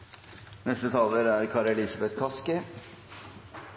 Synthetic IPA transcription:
nɛst̪ət̪ʰɑːləɾæɾkʰɑːɾɛlɪsɑbɛt̪kʰɑskə

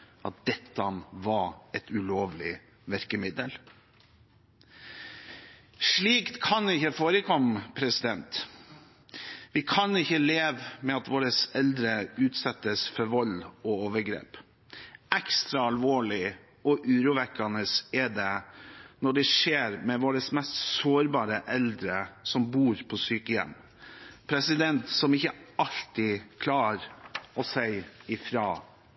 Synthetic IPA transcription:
ʔɑ̰t̪̚d̪̥ɛt̪ːɑʋɑɛt̪ʉloːʋlɪ | ʋæɾkəmɪd̪əl | ʂɭiːkt̪kʰɑnɪçəfoːɾəkʰɔmːpʰɾɛsɪd̪ɛnt̪ | ʋɪkʰɑnɪçːəleːʋmɛɑt̪ʋoːɾəsɛld̪ɾəʉːt̪sɑt̪ːəsfɔɾʋɔlɔoːʋəɾɡɾḛːp | ɛkst̪ɾɑɑlʋoːɭɪ | ɔʔʉːɾuːʋɛkːɑnəsɛd̪ɛnɔɖɛʂeːɾmɛʋoːɾəsmɛst̪soːɾbɑːɾəʔɛld̪ɾəsɔmbuːɾpʰɔsyːkəjɛ̰mː | pʰɾɛsɪd̪ɛnt̪sɔmɪçəɑlt̪ɪkʰlɑːɾɔsæɪɪfɾɑː

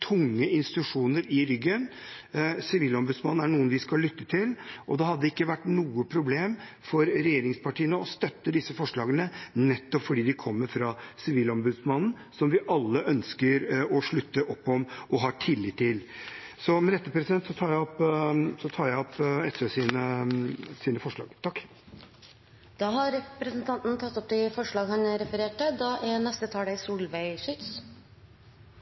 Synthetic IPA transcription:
t̪ʰʊŋːəɪnst̪ɪt̪ʉʂuːnəɾɪɾʏɡːən | sɪʋiːlɔmbʉd̪smɑnn̩æɳuːənʋɪskɑlːʏt̪ːət̪ʰɪlʔɔd̪ɛɦɑd̪ːəɪkːəʋæʈːnuːəpʰɾʊbleːm | fɔɾɾɛjeːɾɪŋspʰɑʈiːənəɔst̪œt̪ːəd̪ɪsːəfɔʂɭɑːɡənənɛt̪ːɔpfɔɖiːd̪ɪkʰɔmːəɾfɾɑsɪʋiːlɔmbʉd̪smɑnn̩ | sɔmʋɪʔɑlːəʔœnskəɾɔʂɭʉt̪ːəʔɔpːɔmɔɦɑːʈʰɪlːɪːt̪ʰːɪlsɔmɛd̪ɛt̪ːəpʰɾɛsɪd̪ɛnt̪sɔt̪ʰɑːɾjæɔpsɔt̪ʰɑːɾjæɔpɛt̪ːesiːnə | siːnəfɔʂɭɑ̰ːɡt̪ʰɑkː | d̪̥ɑːɦɑɾɛpɾɛsnt̪ʰɑnt̪nt̪ʰɑt̪ːɔp̚d̪ɛfɔʂɭɑːɡhɑnɾɛfəɾeːʈəd̪ɑːʔænɛst̪ət̪ʰɑːɖæɪsuːlʋæɪʂʏt̪s

